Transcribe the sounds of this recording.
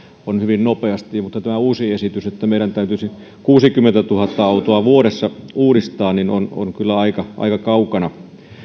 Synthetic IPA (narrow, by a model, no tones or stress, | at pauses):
onhyʋinnopeɑst̪ijɑmut̪ːɑt̪æmæuːsiesit̪yset̪ːæmeˑiɾænt̪æˑyt̪ysi | kuːsikymːent̪æt̪uhɑt̪ːɑɑˑut̪oɑʋuoɾesːɑuːɾist̪ɑːnnino̰no̰nkylːæɑikɑʔɑ̰ikɑkɑukɑnɑ